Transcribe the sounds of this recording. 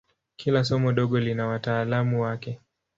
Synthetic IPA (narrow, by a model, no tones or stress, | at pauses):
kʰilasɔmɔɗɔɠɔlinawataːlamuwakɛ